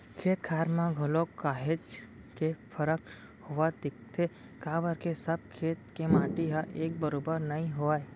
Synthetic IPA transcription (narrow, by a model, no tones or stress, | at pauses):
kʰeːt̪kʰaːɾmãɡʱʊlokːaːɦed͡ʒ | kepʰəɾək | hoʋad̪ɪkt̪ʰe | kaːbəɾkesəb̚kʰeːt̪kemaːʈiɦaʔeːk̚bəɾoːbəɾnɐĩɦoaːe